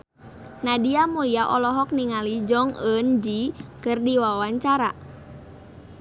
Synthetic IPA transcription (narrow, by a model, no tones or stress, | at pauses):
nadiamuliaʔɔlɔɦɔk̚niŋalid͡ʒɔŋənd͡ʒikɨrdiwawaɲt͡ʃaɾa